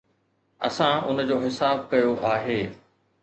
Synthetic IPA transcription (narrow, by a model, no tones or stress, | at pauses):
ɐ̰sãʊ̰nə̆d͡ʑoːɦɪsaːb̚kɐjoʔaːɦeː